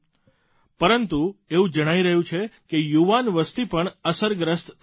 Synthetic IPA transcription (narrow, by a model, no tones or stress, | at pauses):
pəɾənt̪ueũd͡ʒəɽ̃aiɾəɦjũt͡ʃʰekejuʋanʋəst̪ipəɳəsəɾɡɾəst̪